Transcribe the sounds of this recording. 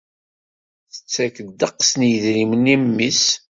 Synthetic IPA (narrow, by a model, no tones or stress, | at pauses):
θə̥t͡sːækəd̪ːəqːsnjəðɾimənimːis